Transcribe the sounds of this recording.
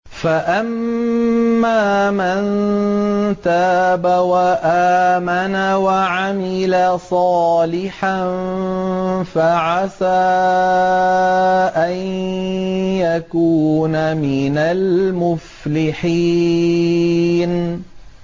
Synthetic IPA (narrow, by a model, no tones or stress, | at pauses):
faʔamː | aːman | t̪aːbawaʔaːmanawaʕamɪlasˤɑːlɪħan | faʕasaː | ʔann | jakuːnamɪnalmʊflɪħi | n